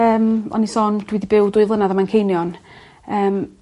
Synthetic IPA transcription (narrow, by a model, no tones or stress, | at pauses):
əːmɔ̰nisɔːnd̥wɪdibɪwdʊɨvlˠənaðamankʰejnjɔn | əːm